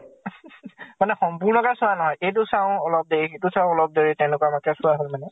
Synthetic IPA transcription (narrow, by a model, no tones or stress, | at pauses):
manɛxɔmpuɹnɔkasʊanɔɦɔjʔejt̬ʊsãʊ̃ɔlɔp̚deɹixejtʊsãʊ̃ɔlɔp̚deɹitɛ̃ʊ̃lʊkɔamakɛsʊaɦolmanɛ